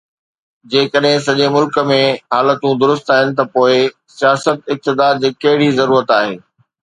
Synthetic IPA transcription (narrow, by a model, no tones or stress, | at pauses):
d͡ʑeːkəɗɦɪ̃s̬ɐʄemʊlkə̆mẽɦaːlət̪ũd̪ʊɾʊst̪aːɦɪnɪ̆t̪̬ɐpoːɪ | sijaːsət̪ɪk̚t̪ɪd̪aːd̪̚d͡ʑeːkɐɦɪɽizɐɾuːɾət̪aːɦeː